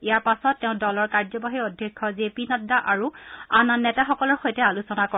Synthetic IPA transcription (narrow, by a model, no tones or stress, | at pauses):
ijaɹpasɔtːɛʊ̃dɔlɔɹkaɹzɔbaɦiɔdʱjɛkʰːɔzepinɔdaʔaɹuananːɛtaxɔkɔlɔɹxojtɛalusɔnakɔ